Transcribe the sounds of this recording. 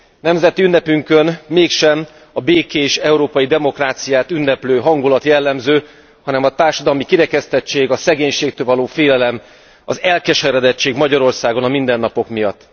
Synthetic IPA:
nɛmzɛt̪iynːɛpyŋkø̞nmeːkʃɛm | ɒbeːkeːʃɛuɾoːpɒjid̪ɛmo̞kraːt̪sijaːt̪ynːɛpløːɦɒŋɡulɒt̪jɛlːɛmzøː | hɒnɛmɒt̪aːrʃɒd̪ɒlmikiɾɛkɛst̪ɛt͡ʃːeːɡɒsɛɡeːɲʃeːk̚t̪øːlvɒloːfeːlɛlɛm | ɒ̰zɛlkɛʃɛɾɛd̪ɛt͡ʃːeːɡmɒɟɒɾo̞rsaːɡo̞nɒmind̪ɛnːɒpo̞kmijɒt̪ː

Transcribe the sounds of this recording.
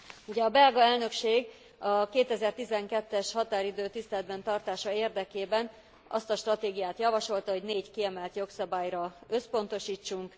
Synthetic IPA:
uɟɛɒbɛlɡɒɛlnø̞kʃeːɡ | ɒkeːt̪ɛzɛrt̪izɛŋkɛt̪ːɛʃhɒt̪aːɾid̪øːt̪ist̪ɛlɛd̪bɛnt̪ɒrt̪aːʃɒeːrd̪ɛkeːbɛn | ʔɒst̪ɒʃt̪rɒt̪eːɡijaːt̪jɒvɒʃo̞lt̪ɒɦo̞ɟneːckiɛmɛlt̪joksɒbaːjrɒø̞spo̞n̪t̪o̞ʃiːt͡ʃːuŋk

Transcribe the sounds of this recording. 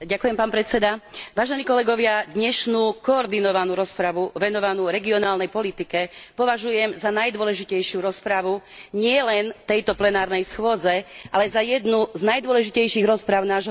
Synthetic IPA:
ɟakujɛmpaːnpɾɛt͡sɛd̪aʋaːʒɛniːkɔlɛɡɔʋɪad̪ɲɛʃnuːkɔːɾd̪inɔʋanuːɾɔspɾaʋuʋɛnɔʋanuːɾɛɡiɔnaːlnɛjpɔlit̪ikɛpɔʋaʒujɛmzanajd̪ʊɔlɛʒicɛjʃɪjuɾɔspɾaʋuɲɪɛlɛnt̪ɛjt̪ɔplɛnaːɾnɛjsxʊɔd͡zɛʔalɛzajɛd̪nuznajd̪ʊɔlɛʒicɛjʃiɣɾɔspɾaʊnaːʒɦɔ

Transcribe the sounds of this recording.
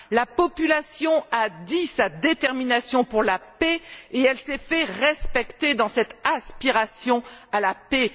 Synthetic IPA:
lapɔpylasjɔ̃ad̪isad̪et̪ɛʁminasjɔ̃puʁlapeeɛlsɛfɛʁɛspɛkt̪ed̪ɑ̃sɛt̪aspiʁasjɔ̃alape

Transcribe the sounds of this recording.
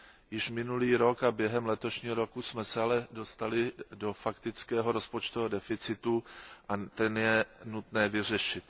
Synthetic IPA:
jɪʃmɪnuliːɾo̞kabjɛɦɛmlɛt̪o̞ʃɲiːɦoɾo̞kusmɛsɛalɛdo̞st̪alɪdo̞fakt̪ɪt͡skɛːɦo̞ɾo̞spot͡ʃt̪oɦodɛfɪt͡sɪt̪uʔat̪ɛnjɛnut̪nɛːvɪr̝ɛʃɪt̪

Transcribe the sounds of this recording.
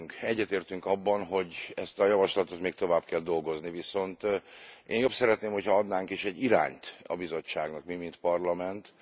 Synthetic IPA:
ŋkɛɟːɛt̪eːrt̪yŋkɒbːɒnɦo̞ɟɛst̪ɒjɒvɒʃlɒt̪o̞t̪meːk̚t̪o̞vaːbkɛld̪o̞lɡo̞zniviso̞nt̪ʔeːnjopsɛɾɛt̪neːmhochɒɒd̪naːŋkiʃɛɟːiɾa̰ːɲt̪ɒ̰bizo̞t͡ʃːa̰ːɡnɒkmimint̪pɒrlɒmɛnt̪

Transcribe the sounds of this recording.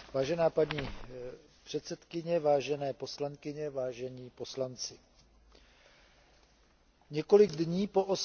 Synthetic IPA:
vaːʒɛnaːpaɲiː | pr̥ɛt̪sɛt̪kɪɲɛvaːʒɛnɛːpo̞slaŋkɪɲɛvaːʒɛɲiːpo̞slant͡sɪ | ɲɛko̞lɪɡdɲiːpo̞ʔos

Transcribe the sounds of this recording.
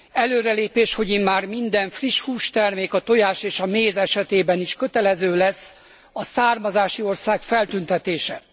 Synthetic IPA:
ɛløːɾɛleːpeːʃho̞ɟimmaːrmind̪ɛɱfriʃhuːʃt̪ɛrmeːkɒt̪o̞jaːʃeːʃɒmeːzɛʃɛt̪eːbɛniʃkø̞t̪ɛlɛzøːlɛsː | ɒsaːrmɒzaːʃio̞rsaːkfɛlt̪ynt̪ɛt̪eːʃɛ

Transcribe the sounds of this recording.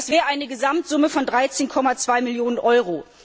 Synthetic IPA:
sv̥ɛːʁəʔaɪnəɡəzamtz̥ʊməfɔndʁaɪt͡seːnkʰɔmat͡sv̥aɪmɪljoːnənʔɔʏʁoː

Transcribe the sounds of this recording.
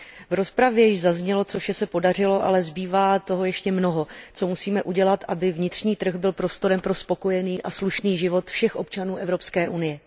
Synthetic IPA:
vɾo̞spɾavjɛjɪʃzazɲɛlo̞t͡soʃɛsɛpo̞dar̝ɪlo̞ʔa̰lɛzbiːvaːt̪o̞ɦo̞jɛʃcɛmno̞ɦo̞t͡so̞musiːmɛʔuɟɛlat̪ʔabɪvɲɪt̪r̝ɲiːt̪r̩ɣbɪlpɾo̞st̪o̞ɾɛmpɾo̞spo̞ko̞jɛniːʔasluʃniːʒɪvo̞t̪fʃɛxʔo̞p̚t͡ʃanuːʔɛvɾo̞pskɛːʔunɪjɛ

